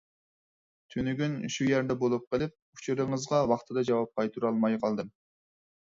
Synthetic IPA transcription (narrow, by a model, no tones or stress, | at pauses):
t̪ʰynyɡʲynʃujæɾd̪ɛbolˠup̚qəlˠɪp̚ | ut͡ʃʰuɾɨŋəzʁɑwɑχt̪ʰɨd̪ɑd͡ʒɑwɑp̚qʰɑjt̪uɾɑlˠmɑjqʰɑlˠd̪ɨm